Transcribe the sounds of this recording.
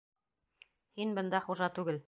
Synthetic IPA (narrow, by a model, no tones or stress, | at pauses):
hinbɤ̆nd̪ɑχuʒɑt̪ʉɡɘl